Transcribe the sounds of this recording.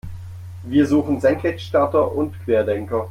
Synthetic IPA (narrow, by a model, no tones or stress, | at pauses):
viːɐzuːχn̩zɛŋkʰɛçʃtaɐtɐʔʊntkʰv̥eːɐdɛŋkɐ